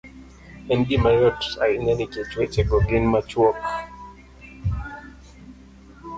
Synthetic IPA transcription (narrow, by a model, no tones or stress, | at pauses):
ɛndimajɔtsainaniket͡ʃwet͡ʃɛɡɔɡɪnmat͡ʃwɔk